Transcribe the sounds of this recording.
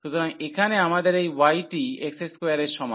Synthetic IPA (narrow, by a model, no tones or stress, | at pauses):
ʃut̪oɾaŋekʰaneamad̪eɾejwajʈiekseskeaɾeɾʃɔma